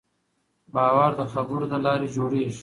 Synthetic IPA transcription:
bɑːwaɾd̪əxɐbuɾd̪əlaːɾed͡ʒoːɽeʃ

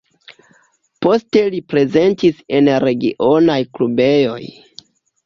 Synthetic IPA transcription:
po̞ste̞lipɾe̞ze̞ntise̞nɾe̞ɡḭʔo̞najklube̞jo̞̰j

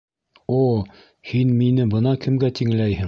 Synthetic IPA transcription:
o | hinminɘbɤnɑkɘ̆mɡæt̪iŋlæjhɘŋ

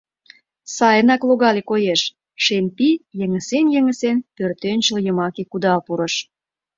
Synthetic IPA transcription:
sɑjənɑkloɣɑlekojeʃ | ʃempijəŋəsenjəŋə̆senpørt̪ønʲt͡ɕəljəmɑkekud̪ɑlpuɾə̆ʃ

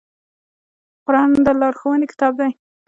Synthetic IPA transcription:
qʊɾɑnd̪əlɑɾxowənekɪ̥t̪ɑb̚d̪aj

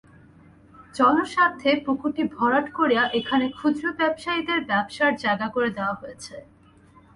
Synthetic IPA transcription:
d͡ʑɔnoʃat̪ʰːepokʰuʈibʱɔɾaʈkoɾijaʔekʰanekʰud̪ɾobɛbʃaid̪eɾbɛbʃaɾd͡ʑaeɡakoɾed̪eoaɦojet͡ɕʰe

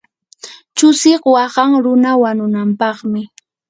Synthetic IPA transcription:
t͡ʃʊsɪqwɑχɑŋɾʊnawanʊnampɑχmɪ

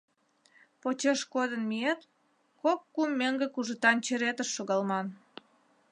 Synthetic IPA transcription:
pot͡ɕeʃkod̪ənmiet̪ | kokːumːeŋɡekuʒə̆t̪ɑnt͡ɕeɾet̪əʃːoɣɑlmɑn

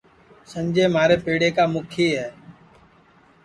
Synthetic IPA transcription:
sənd͡ʒeːmaːɾeːpeːɽeːkaːmʊkʰiːɦɛː

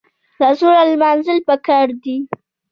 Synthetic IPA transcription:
lazoɾalmɑnzɪlpəkaɾd̪i

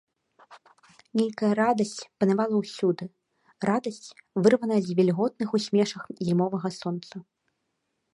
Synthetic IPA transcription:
nʲejkɐjɐɾad̪ɐsʲt͡sʲpɐnavalˠɐwsʲud̪ɨ | rad̪ɐsʲt͡sʲvɨrvɐnɐjɛzʲvʲɛlʲɣɔt̪̚nɨxusʲmʲɛʂɐxzʲimɔvɐɣɐsɔnt̪sɐ

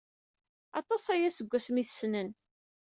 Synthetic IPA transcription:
ɑ̰t̪ˤɑsæjæsəɡʷːæsmiθə̥snən

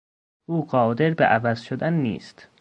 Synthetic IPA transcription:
ʔuːɢɒːd̪e̞ɾbeʔævæzʃod̪ænːḭːst̪

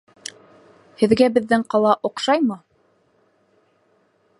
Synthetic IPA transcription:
hɘ̆ðɡæbɘ̆ðːɘŋqɑlˠɑʔŏqʃɑjmɤ

